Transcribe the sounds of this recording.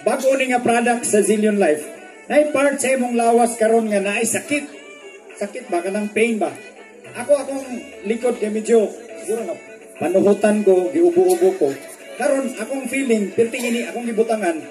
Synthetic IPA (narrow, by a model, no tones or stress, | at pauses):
baɡʔʊnɪŋapɾadak̪̚saziljonlajf | naajpaɾt̪saimʊŋlawaskaɾonŋanaʔajsakɪt̪̚ | sakɪt̪̚bakanaŋpejnba | ʔakoakoŋ | lɪkod̪̚kajmɪd͡ʒosɪɡuɾoŋa | panʊɦʊt̪ankoɡɪʊbʊʔʊbʊko | kaɾonakoŋfilɪŋpɪɾt̪ɪɡinɪʔakoŋɡɪbʊt̪aŋan